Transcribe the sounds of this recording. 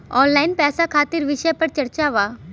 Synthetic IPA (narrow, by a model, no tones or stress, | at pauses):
ɔːnlaːɪnpɛːsakʰaːt̪iɾʋɪʃəjpɐɾt͡ʃɐɾt͡ʃaʋaː